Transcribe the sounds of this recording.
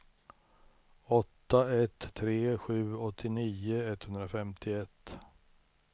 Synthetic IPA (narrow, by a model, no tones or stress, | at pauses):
ɔt̪ːaɛt̪ʰːɾeːɧʉ̟ːɔt̪ʰːɪniːəɛt̪ːhɵnd̪ɾafɛmt̪ʰɪɛt̪ː